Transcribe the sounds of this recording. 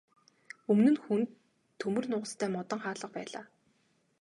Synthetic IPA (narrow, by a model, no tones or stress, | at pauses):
ɵmnɘ̆nxunt̪ʰː | ɵmɵ̆rnʊːʁə̆st̪ʰæːmɔt̪ɞ̆ɴχaːɮə̆q̚pæ̰ːɮa̰ː